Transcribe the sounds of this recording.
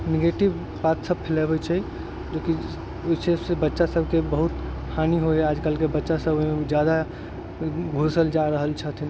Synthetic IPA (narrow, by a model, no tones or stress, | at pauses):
neɡeʈib | bat̪səb̚pʰelɛbɛt͡ʃʰɛ | d͡ʒoki | oit͡ʃʰesebətːʃasəbʱkebəɦut̪ | pʰaniɦoɛad͡ʒkəlkebətːʃasəboɦimed͡ʒjad̪a | ɡʱosəld͡ʒaɾəɦəlt͡ʃʰət̪ʰin